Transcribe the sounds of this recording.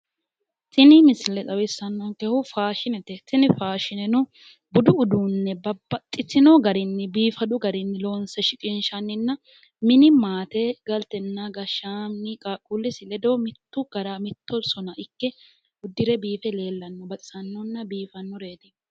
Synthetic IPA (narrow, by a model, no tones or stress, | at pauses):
t̪ɪnɪmɪslɛtʼɐwɪsːɐnːɔnkɛhʊfaːʃɪnɛt̪ɛt̪ɪnɪfaːʃɪnɛnʊ | bʊd̪ʊʊd̪unːɛbɐbːɐt̪ʼːɪtːɪnɔɡɐɾɪnːɪbiːfɐd̪ʊɡɐɾɪnːɪloːnsɛʃɪkʼɪnʃɐnːɪnːɐ | mɪnɪmaːt̪eɡɐlt̪ɛnːaɡɐʃaːmnɪkʼaːkʼːulːɪsɪlɛd̪oːmɪt̪ːʊɡ̥ɐɾamɪt̪ːɔsɔnɐʔɪkːɛ | ʊd̪ːɪɾɛbiːfɛle̞ːlːɐnːɔbɐt̪ʼɪ̥sɐnːɔnːɐbiːfɐnːɔɾeːd̪ɪ